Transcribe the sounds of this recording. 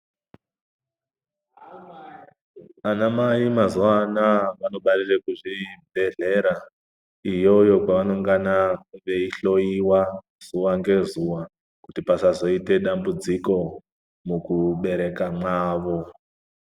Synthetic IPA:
anamajimazuwanaʋano̞ɓarirekuʐibʱe̞ɮe̞ɾa | ijo̞joɡaʋano̞ŋɡanaʋe̞iɬo̞jiwa | z̥uwaŋɡe̞zuwa | kutipasazo̞ite̞ɗambud͡ziko̞ | mukuɓe̞ɾe̞kamaːʋo̞

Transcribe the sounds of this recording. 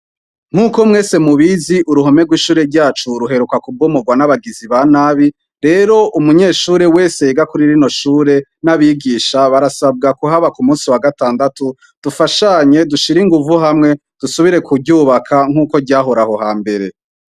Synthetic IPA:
ŋ̥uːko̞mŋe̞ːse̞muβiziʔuɾuɦo̞meɡwiʃuːɾe̞ɾɟaːt͡ʃuɾuɦe̞ɾukakubɡomuɡwanaβaɡiziβanaːβi | ɾe̞ːɾo̞ʔumuɲe̞ːʃuːɾe̞we̞ːse̞jeɡakuɾiɾino̞ʃuːɾe̞naβiɡiːʃaβaɾasab̚ɡakuɦaβakumuːsiwaɡataːndatu | d̥ufaʃaɲe̞duʃiɾiŋɡuvuɦamŋe̞ | d̥usuβiɾe̞kubɟuːβakʰaŋ̥uːko̞ɟaːɦoɾaho̞ɦaːmbe̞ɾe̞

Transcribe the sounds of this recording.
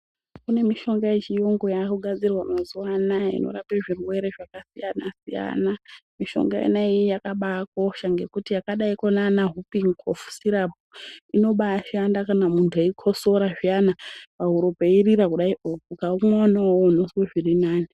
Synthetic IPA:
kune̞miʃo̞ŋɡajet͡ʃijoŋɡo̞jakuɡʱad͡zirwamazuwanaḭno̰ɾapeʐirwe̞ɾe̞ʐakasijanasija̰namiʃo̞̰ŋɡajḛnaiijakaɓako̞ʃaŋɡe̞kutijakaɗaikonanaɦupiŋkʰofu̥siɾap̚uino̞ɓaʃandakanamuntʰueikʰo̞so̞ɾaʐijanapaɦuɾopeiriɾakuɗaiʔokukaumaonaonosweʐirinaːni

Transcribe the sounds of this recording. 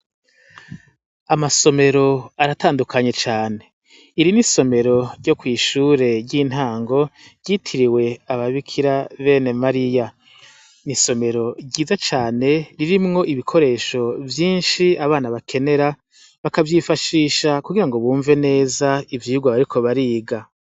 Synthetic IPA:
amaso̞me̞ɾo̞aɾataːndukʰaɲe̞t͡ʃaːne̞ | iɾiniso̞me̞ɾo̞ɾɟo̞kwiːʃuːɾe̞ɾɟin̥haːŋɡo̞ɾɟitʰiɾiwe̞aβaβikʰiɾaβenemaɾija | niso̞me̞ɾo̞ɟiːzat͡ʃaːne̞ɾiɾimŋo̞ʔiβikʰo̞ɾe̞ːʃo̞vjiːnʃiaβaːnaβakʰe̞ne̞ɾa | βakavjifaʃiːʃakuɡiɾaŋɡo̞βuːɱve̞ne̞ːzaivjiːuɡwaβaɾikʰo̞βaɾiːɡa

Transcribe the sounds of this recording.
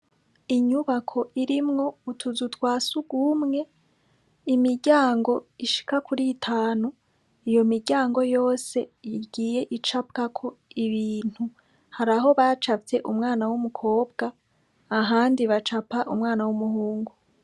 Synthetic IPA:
iɲuβakʰo̞ʔiɾimŋo̞utʰuzutwaːsuɡumŋe̞ | imiɾɟaːŋɡo̞iʃi̥kakʰuɾitʰaːnu | ijo̞miɾɟaːŋɡo̞jo̞ːse̞jiɡiːje̞ʔit͡ʃap̚kakʰo̞iβiːn̥hu | haɾaɦo̞βat͡ʃat͡se̞ʔumŋaːnawumukʰo̞ːbɡaː | ɦaːndiβat͡ʃapaʔumŋaːnawumuhuːŋɡu

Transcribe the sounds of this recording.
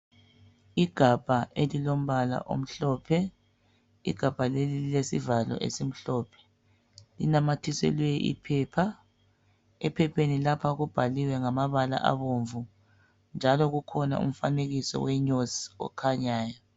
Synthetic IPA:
iɡ̥ʱab̥ʱaʔelilom̩βala̰ʔo̰m̩ɬɔːpʰɛ | ḭɡ̥ʱab̥ʱalelililesivalɔ̰ʔḛsim̩ɬɔːpʰɛ̥ | linamatʰisɛ̰lɛjɛʔḭpʰɛːpʰa | ɛpʰɛpʰenilapʰaɣub̥ʱaliwɛŋamaβala̰ʔa̰βoɱvu | nd͡ʒʱalɔɣukʰɔna̰ṵm̩faneɣisɔ̰wɛɲosiɔ̰kʰaɲaːja

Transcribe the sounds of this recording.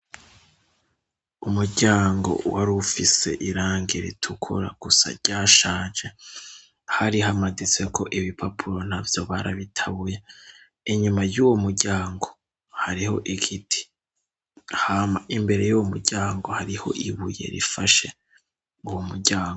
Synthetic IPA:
umuɾɟaːŋɡo̞̰waɾufise̞̰ʔiɾaːŋɡiɾitʰukʰuɾa̰ɡ̥usa̰ɾɟaːʃaːd͡ʒe | haɾiɦamaɡit͡se̞kʰo̞ʔiβipʰapʰuɾo̞n̥havjo̞βaɾaβitʰaβuje | iɲumajuwomuɾɟaːŋɡo̞̥ | haɾiho̞̰ʔiɡitʰi̥ | haːmaʔimbe̞ɾe̞juwomuɾɟaːŋɡo̞haɾiho̞̰ʔiβuje̞̰ɾḭfaʃe̞ | uwomuɾɟaːŋɡo

